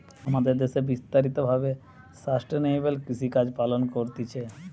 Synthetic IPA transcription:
amad̪eɾd̪esebist̪aɾit̪obʱabe | sɾasʈɾenejbelkisikad͡ʑpalonkoɾt̪it͡ʃʰe

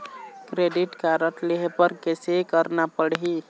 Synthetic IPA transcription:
kɾeɖiʈkaɾəʈ̪leɦepəɾkesekəɾnapəɽɦi

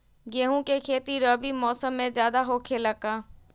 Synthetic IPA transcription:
ɡeːɦũkekʰeːt̪iɾəbimɔːsəmːẽzjaːd̪aɦoːkʰeləkãː

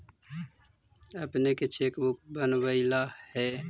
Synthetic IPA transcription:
ɐpneket͡ʃʰeːkbʊk̚bənwəɪlahɛ

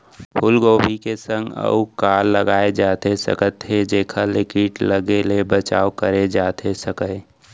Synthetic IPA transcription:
pʰʊlɡoːbʱikesə̃ŋɡə̰ukaːɾːəɡaːed͡ʒaːt̪esə̰kət̪ɦed͡ʒeːkʰalɪkɪʈləɡelebət͡ʃaːokəɾed͡ʒaːt̪ʰesəkə

